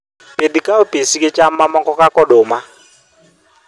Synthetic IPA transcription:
pʼedikʼaupʼesikʼɛt͡ʃʼamːamɔkɔkʼakʼɔɗɔːma

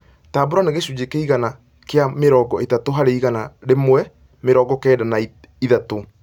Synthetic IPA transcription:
taːboɾɔneɣeɕud͡ʑekeiɣana | keameɾɔːɡɔetatoɦaɾeiɣanaɾemwɛ | meɾɔɡɔkɛːdanai | iðato

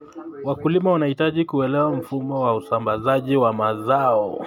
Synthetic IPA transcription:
wakulimaanahitaʄikuɛlɛwam̩fumɔwausambazaʄiwamazaɔ

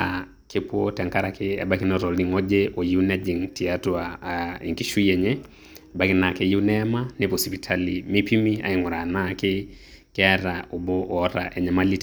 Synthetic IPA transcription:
a | kepuɔtɛŋkaɾakɪɛ̰ɓakinɔɾɔliŋɔd͡ʒɛʔɔjiunɛd͡ʒiŋtiatuaḭŋkiʃuɛɲɛ | bakinakɛjiunɛmanepɔsipitʰalimipimia̰iŋuɾanakɪ | kɛɛɾaʔobɔʔɔɾa̰ʔɛɲɛmalit

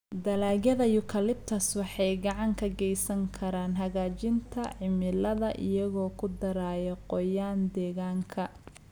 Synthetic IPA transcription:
d̪ɐlaːɣɐðɐjʊkʰɐlɪb̚t̪ʰɐswɑħɑjɡɑʕɑŋkʰɐɡɛjsɐŋkʰɐɾaːnɦɐɣaːt͡ʃɪnt̪ʰɐʕɪmɪlɐðɐʔɪ̰jɐɣɔːkʰʊd̪ɐɾaːjɛqɔjaːnd̪ɛːɣaːŋkʰɐ

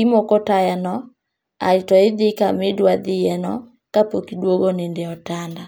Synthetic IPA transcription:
imokɔtajɛnɔ | a̰itɔiðikamedwaðijɛnɔ | kapokidwɔɡɔnendeɔtanda

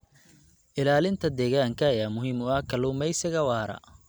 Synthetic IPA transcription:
ʔɪlaːlɪnt̪ʰɐd̪ɛːɣaːŋkʰɐːjaːmʊɦimʊɐkʰɐlʊːmɛjsɪɣɐwɑːɾɐ̰

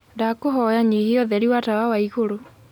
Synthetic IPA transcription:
ndakoɦɔjaɲihiɔðɛɾiwatawawaiɣoɾo

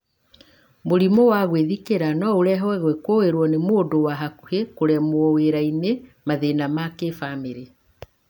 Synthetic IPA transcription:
moɾimɔwaɣweðikeɾanɔoɾɛɦwɛɣwɛkwoweɾwɔnemoːdowaɦakuhekoɾɛmwɔweɾainemaðenamakefameɾe

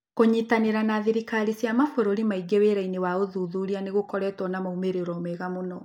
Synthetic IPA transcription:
koɲitaneɾanaðiɾikaɾisjamafoɾoɾimaiɡeweɾainewaoðuðuɾianeɣokɔɾɛtwɔnamoumeɾeɾɔmeɣamonɔ

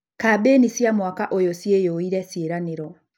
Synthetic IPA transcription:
kabeːnisjamwakaʔojɔsjejoiɾɛsjeɾaneɾɔ

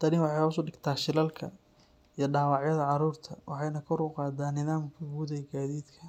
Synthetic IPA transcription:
d̪̥ɐɾɪnwɑħɑjhʊsɔɖɪɡt̪ʰaːʃɪlɐlkʰɐ | ijɞɖɑːwɑʕjɐðɐʕɑɾuːrt̪ʰɐwɑħɑjnɐkʰɔɾʊqɑːd̪aːnːɪðaːmkʰɐɡuːðɛɡaːðiːd̪kʰɐ

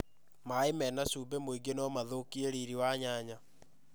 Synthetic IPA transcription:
maemɛnasubemoiɡenɔmaðokieɾiɾiwaɲaɲa

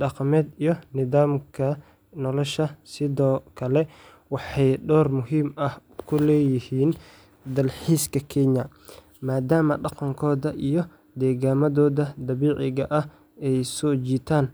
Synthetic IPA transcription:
ɖɑqmɛːd̪ijɔnɪðaːmkʰɐ | nɔlɔʃɐsɪðɔːkʰɐlɛ | wɑħɑjɖɔːrmʊɦiːmɐhkʰʊlɛːjɪhiːn | d̪ɐlħiːskʰɐkʰɛɲɐ | maːd̪aːmɐɖɑqɑŋkʰɔːðɐʔijɔ | d̪ɛːɣaːmɐðɔːðɐd̪ɐβiːʕɪɣɐʔɐh | ɛjsɔːt͡ʃiːt̪ʰaːn

